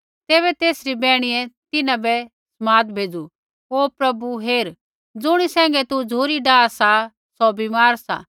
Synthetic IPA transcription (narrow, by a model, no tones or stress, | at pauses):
t̪eːβɛt̪eːsɾibɛːɽ̃ijɛt̪ɪnãbɛ | smaːd̪bʱeːd͡zu | oːpɾɐbuɦeːɾ | d͡zʊɽ̃isɛ̃ːŋ̆ɡɛt̪ud͡zʱoːɾiɖaːsa | sɔbimaːɾsa̰